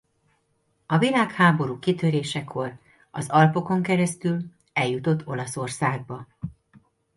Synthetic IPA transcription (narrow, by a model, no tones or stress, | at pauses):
ɒvilaːkhaːbo̞ɾuːkit̪øɾeːʃɛkʰːo̞r | ɒzɒlpo̞ko̞ŋkɛɾɛst̪yl | ɛljut̪o̞t̪ʰːo̞lɒso̞rsaːɡ̚bɒ